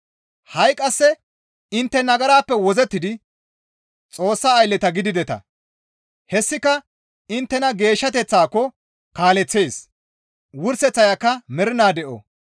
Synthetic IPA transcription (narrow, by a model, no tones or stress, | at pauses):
hɐjkʼːɐsːɛ | ɪnt̪ːɛnɐɡɐɾaːpːɛwɔzɛt̪ːɪd̪ɪ | t͡sʼo̞ːsːaːjlːɛt̪ɐɡɪd̪ɪd̪ɛt̪ɐ̰ | hɛsːɪkɐ | ɪnt̪ːɛnɐɡe̞ːʃːɐt̪ɛt͡sːaːkːɔ | kaːlɛt͡sːe̞ːs | wʊɾsɛt͡sːɐjɐkːɐmɛɾɪnaːd̪ɛʔɔ̰